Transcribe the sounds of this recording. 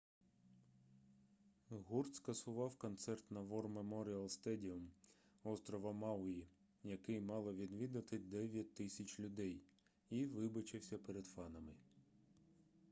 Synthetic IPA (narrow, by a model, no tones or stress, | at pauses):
ɦurt̪skɐsʊʋɑwkɔnt̪sɛrt̪nɐʋɔrmemɔɾʲiɐlˠst̪ɛdʲiʊm | ɔst̪ɾɔʋɐmɑwʊji | jɐkɪjmɑlˠɐʋʲid̪ʋʲid̪ɐt̪ɪd̪ɛʋʲjɐt̚ʲt̪ːɪsʲɐt͡ʃʲlʲʊd̪ɛj | iʋɪbɐt͡ʃɪwsʲɐpeɾed̪̥fɑnɐmɪ